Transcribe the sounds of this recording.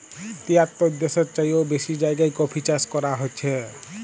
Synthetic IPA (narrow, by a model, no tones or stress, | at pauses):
t̪iat̪ːoud̪ːeseɾt͡ʃajobeʃid͡ʒajɡajkɔpʰit͡ɕaskɔɾaɦojt͡ɕʰe